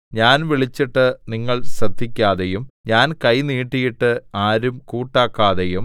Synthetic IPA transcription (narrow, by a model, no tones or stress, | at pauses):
ɲaːnʋiɭit͡ɕːiʈːɨniŋːɐɭsrɐd̪ʱikʲːaːðejumɲaːnkɐjniːʈːijiʈːɨaːɾumkuːʈːaːkːaːðejum